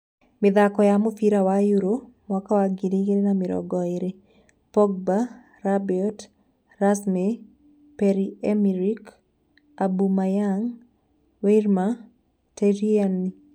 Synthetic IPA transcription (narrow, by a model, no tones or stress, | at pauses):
mɪðakɔjamʊfiɾawajuɾo | mwakawaɡiɾiɡeɾenamɪɾɔ̰ɡɔeɾe | pɔɡ̚ba | rabiɔt | rasme | pɛɾiɛmiɾik | abumajaŋ | weɾma | teɾianːi